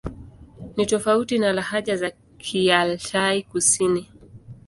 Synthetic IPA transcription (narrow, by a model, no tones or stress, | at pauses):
nitɔfautinalahaʄaza | kʰialtaikusini